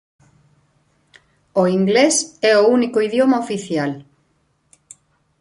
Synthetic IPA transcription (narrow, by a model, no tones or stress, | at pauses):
oiŋɡlesɛounikoiðjomaofiθjal